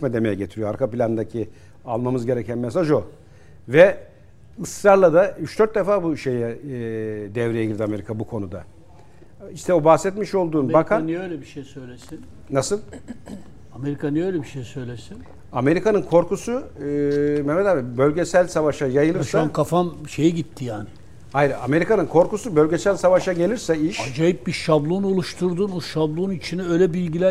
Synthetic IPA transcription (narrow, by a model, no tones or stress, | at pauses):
mɛd̪emejɛɟet̪ʰiɾijoa̰ɾkʰapilʲand̪acʰi | alˠmamɯzɟe̞ɾɛcænmes̬aʒo̞ | vɛ | ɯsɾaɾlˠad̪ayt͡ʃd̪øɾt̪̚d̪efaːbuʃe̞jɛ | d̪ɛvɾejɛɟiɾd̪iame̞ɾikʰabukʰo̞nud̪a | iʃt̪ʰɛobaxsɛt̪miʃo̞lˠd̪uːnbakʰanølʲɛbiʃejsøjlʲesin | nasɯlˠ | ame̞ɾikʰanɛøjlʲɛbiʃejsø̞jlʲesin | ame̞ɾikʰanɯnkʰo̞ɾkusu | memed̪ambølʲɟesælʲsavaʃajajɯlˠɯʃaamkʰafamʃe̞jiɟit̪ʰːijaːnɪ | ajɾɯame̞ɾikanɯnkʰo̞ɾkusubølʲɟesælʲsavaʃaɟe̞lʲiɾsɛiʃad͡ʒajip̚biʃablˠunolˠuʃt̪ʰuɾd̪unoʃablˠunit͡ʃʰinɛøːjlʲɛbilʲɟilʲæ